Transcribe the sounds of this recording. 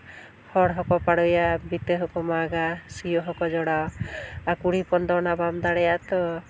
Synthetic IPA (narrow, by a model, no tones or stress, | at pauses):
hɔɽɦɔkɔpaɽɔjabit̪əɦɔkɔmaɡasijɔɦɔkɔd͡ʒɔɽawakuɽipɔnd̪ɔnabamd̪aɽɛjat̪ɔ